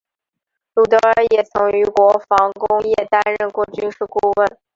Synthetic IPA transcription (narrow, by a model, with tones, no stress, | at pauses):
lu˨˩t̪ɤ˧˥ə˞˧˥jɛ˨˩t͡sʰʊ˧˥ŋy˧˥kwɔ˧˥fɑ˧˥ŋkʊ˥ŋjɛ˥˩t̪a˥nɻə˥˧nkwɔ˥˩t͡ɕy˥nʂɻ̩˥˩ku˥˧wə˥˩n